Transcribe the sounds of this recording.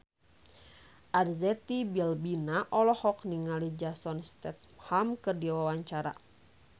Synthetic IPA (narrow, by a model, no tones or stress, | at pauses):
ʔarzɛt̪ibilbinaʔɔlɔhɔk̚niŋalid͡ʒasɔnst̪ɛt̪hamkɨrdiwawaɲt͡ʃaɾa̰